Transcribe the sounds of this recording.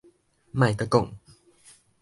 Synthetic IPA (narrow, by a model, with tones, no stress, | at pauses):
mã˨jt̪ə˧ko˨ŋ